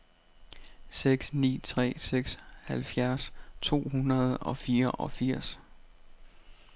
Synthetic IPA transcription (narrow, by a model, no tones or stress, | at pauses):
seɡ̥snḭːt͡sʰʁɛ̰ːseɡ̥shælfjæɐst͡sʰo̝̰ːhunɐð̞ˠɒ̽fiːɐʔɒ̽fiɐ̰s